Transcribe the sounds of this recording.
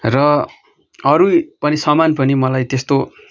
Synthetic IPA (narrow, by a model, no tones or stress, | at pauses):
rʌ | ʌɾupʌnisʌmanpʌnimʌlajt̪est̪o